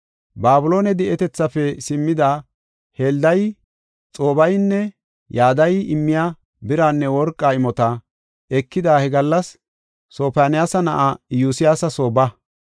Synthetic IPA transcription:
baːbʊlo̞ːnɛd̪ɛʔɛt̪ɛt͡sːɐfɛsɪmːɪd̪a | heːld̪ɐj | t͡sʼoːbɐjnːɛ | jaːd̪ɐjɪmːɪja | bɪɾaːnːɛwɔɾkʼːaːɪmɔt̪ɐ | ɛkːɪd̪aːhɛɡɐlːɐsː | o̞ːpaːnɪjaːsɐnɐʔajuːsɪjaːsɐso̞ːbɐ

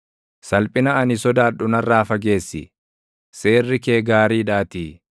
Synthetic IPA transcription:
sɐlpʼɪnɐɐnɪsɔd̪aːᶑʊnɐrːaːfɐɡe̞ːsːɪ̰ | se̞ːrːɪke̞ːɡaːɾiːᶑaːt̪iː

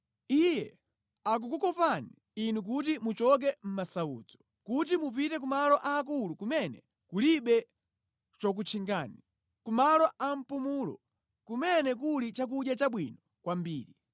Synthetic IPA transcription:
ijɛ | ak̬ukukɔpani | inuk̬ut̬imut͡ʃɔk̬ɛm̩masaṵːd͡zɔ̥ | kut̬imup̬itɛk̬umalɔʔaːk̬ulukumɛnɛ̰ | kuliɓɛ | t͡ʃɔk̬ut͡ʃʰiŋɡaːni | kumalɔʔam̩pumuːlɔ̰ | kumɛnɛk̬ulit͡ʃak̬uɗjat͡ʃaɓwinɔ | kwambiːɾi

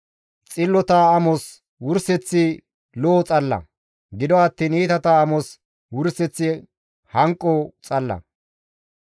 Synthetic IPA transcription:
t͡sʼɪlːɔt̪aːmɔs | wʊɾsɛt͡sːɪ | loːt͡sʼɐlːɐ̰ | ɡɪd̪ɔɐt̪ːiːniːt̪ɐt̪ɐːmɔs | wʊɾsɛt͡sːɪ | hɐŋkʼːɔt͡sʼɐlːɐ̰

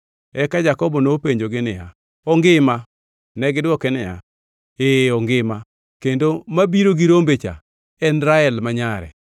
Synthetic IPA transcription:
ɛkad͡ʒakɔbɔnopeɲd͡ʒoɡɪnɪja̰ | ɔŋɡɪma | nɛɡɪdwɔkɛnɪja̰ | eːɔŋɡɪma | kendomabiɾoɡiɾombet͡ʃa̰ | ɛnɾaɛlmaɲaɾɛ̰

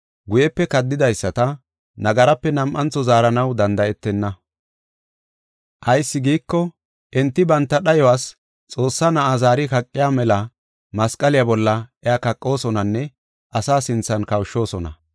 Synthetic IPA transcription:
ɡʊjɛpːɛkɐd̪ːɪd̪ɐjsːɐt̪ɐ | nɐɡɐɾɐpːɛnɐmʔɐnt͡sːɔzaːɾɐnɐwd̪ɐnd̪ɐɛt̪ːɛnːɐ | ʔɐjsːɪɡiːkːɔ | ʔɛnt̪ːɪbɐnt̪ːɐɗɐjɔwaːs | t͡sʼo̞ːsːanɐʔazaːɾɪkɐkʼːɪjaːmɛlɐ | mɐskʼɐlɪjabɔlːɐʔɛakɐkʼːo̞ːsɔnɐnːɛ | ʔɐsaːsɪnt͡sːɐnkɐwʃːo̞ːsɔnɐ̰

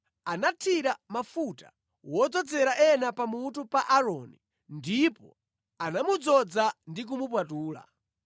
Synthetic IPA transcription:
anatʰiɾamafutḁ̰ | wɔd͡zɔd͡zɛɾaʔɛnapamutupaʔaɾɔni | ndipɔ̰ | anamud͡zɔd͡zandik̬umup̬watuːla̰

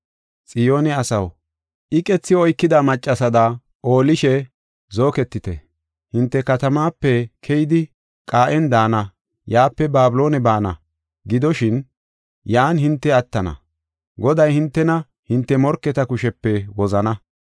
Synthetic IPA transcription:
t͡sʼɪjo̞ːnɛɐsɐw | ʔɪkʼɛt͡sːɪɔjkːɪd̪amɐt͡ʃʼːɐsɐd̪ɐ | ʔo̞ːlɪʃɛ | zo̞ːkɛt̪ːɪt̪ɛ̰ | hɪnt̪ːɛkɐt̪ɐmaːpːɛkʰɛjɪd̪ɪ | kʼaːʔɛnd̪aːnɐ | jaːpːɛbaːbɪlo̞ːnɛbaːnɐ̰ | ɡɪd̪ɔʃɪn | jaːnhɪnt̪ːɛɐt̪ːɐnɐ̰ | ɡɔd̪ɐjhɪnt̪ːɛnɐ | hɪnt̪ːɛmɔɾkːɛt̪ɐkʊʃɛpːɛwɔzɐnɐ

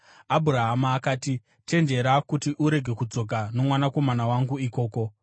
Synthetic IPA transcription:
abʱuɾaɦamaːkaːti | te̞nd͡ʒe̞ɾakutiʔuɾe̞ɡʱe̞kud͡zo̞kano̞mwanako̞manawaŋɡuiko̞ːko̞

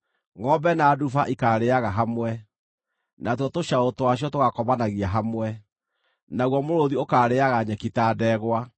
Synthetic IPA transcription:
ŋɔbɛnadufaʔikaːɾeaɣaɦamwɛ | natwɔtoɕaotowaɕ̬iɔtoɣakɔβanaɣiaɦamwɛ | naɣwɔmoɾoðiokaːɾeaɣaɲɛkitaːdɛːɣwa

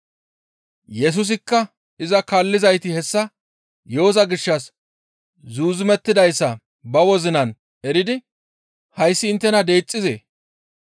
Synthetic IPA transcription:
jɛs̬ʊs̬ɪkːɐ | ɪzɐkɐːlːɪzɐjt̪ɪhɛsːɐ | joːzɐɡɪʃːɐs | zuːzɪmɛt̪ːɪd̪ɐjsːɐ | bɐwɔzɪnɐn | ɛɾɪd̪ɪ | hɐjsːɪːnt̪ːɛnɐd̪e̞ːt͡sʼːɪzḛː

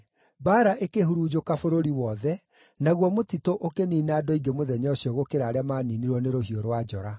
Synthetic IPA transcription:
baːɾaʔekeɦuɾuːd͡ʑokafoɾoɾiwɔðɛ | naɣwɔmotitoʔokeniːnadɔiɡemoðɛɲɔɕiɔɣokeɾaːɾeamaːniniɾwɔneɾoɦioɾwad͡ʑɔɾa

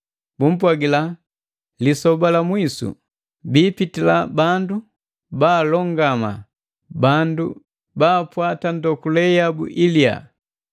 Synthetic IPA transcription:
bum̩pwaɡila | lisɔbalamwisṵ | biːpitilabandu | baːlɔŋɡama̰ | bandu | baːpwatandɔkulɛjabṵʔilia̰

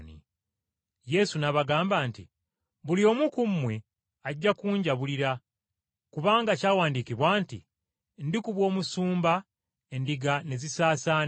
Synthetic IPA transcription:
nḭ | je̞sunaβaɡaːmbaːntḭ | βulio̞mukumːwe̞ | aɟːakuːɲɟaβuliɾa | kuβaːŋɡacaːwaːndikiβwaːntḭ | ndikuβwo̞ːmusuːmba | e̞ndiɡane̞zisaːsaːn

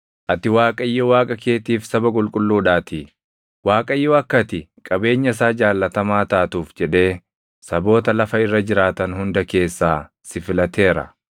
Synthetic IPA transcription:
ʔɐt̪ːɪwaːkʼɐɪjːɔwaːkʼɐke̞ːt̪iːfsɐbɐkʼʊlkʼʊlːuːᶑaːt̪ɪ | waːkʼɐɪjːɔɐkːɐt̪ɪkʼɐbe̞ːɲːɐs̬aːd͡ʒaːlːɐt̪ɐmaːt̪aːt̪uːfd͡ʒɛᶑe̞ː | sɐbo̞ːt̪ɐlɐfɐɪrːɐd͡ʒɪɾaːt̪ɐnhʊnd̪ɐke̞ːsːaː | sɪfɪlɐt̪ʰe̞ːɾɐ̰

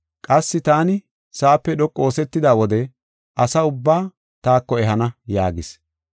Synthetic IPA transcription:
kʼɐsːɪt̪aːnɪ | saːpːɛɗɔkʼːo̞ːsɛt̪ːɪd̪aːwɔd̪ɛ | ʔɐsɐʊbːaː | t̪aːkːɔɛɦɐnɐja̰ːɡɪs

